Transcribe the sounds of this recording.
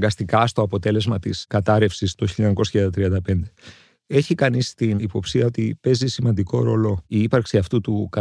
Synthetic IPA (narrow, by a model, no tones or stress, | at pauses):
ɡɐst̪ikɐst̪oɐpo̞t̪e̞le̞zmɐt̪iskɐt̪ɐɾe̞fsist̪oçiʎɐɲɐko̞sɐ̥çiɐd̪ɐt̪ɾiɐnd̪ɐpe̞nd̪e̞ | e̞çikɐnist̪inipo̞psiɐo̞t̪ipe̞zisimɐnd̪iko̞ɾo̞lo̞iipɐɾksiɐft̪ut̪ukɐ